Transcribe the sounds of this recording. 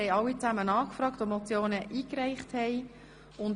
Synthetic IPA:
ɛɪɑwit͡sæmənɑːkfrɑːktomɔt͡sjoːnəʔiːkrɛɪχthɛj | ʊn

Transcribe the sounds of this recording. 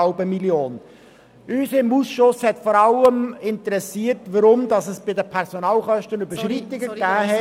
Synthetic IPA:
ɑʊbəmiljoːn | øːsɪmusʃʊshɛtfɔːɾɑləmɪntəɾɛsiːəɾtʋəɾʊmdɑsəsb̥ɪdəpʰɛɾsɔnɑːlχœʃtənybəʃɾitːɪɡəɡæːɦɛ

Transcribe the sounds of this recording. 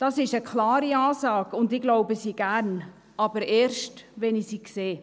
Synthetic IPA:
d̥ɑsɪʃəkʰlɑːɾiɑːzɑːɡ̥ʊndɪɡloʊbəsiːɡ̥æɾn | ʔɑb̥əɾeːɾʃtʋɛnisiːkseː

